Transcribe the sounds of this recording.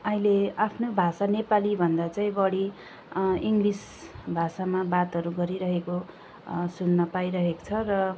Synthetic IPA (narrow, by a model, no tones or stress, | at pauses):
ʌɦĩleapʰnobʱasanepalibʱʌnd̪at͡saĩbʌɽi | iŋɡlis | bʱasamabat̪ɦʌɾuɡʌɾiɾʌɦeko | sunːʌpajɾʌɦeko̥t͡sʰʌrʌ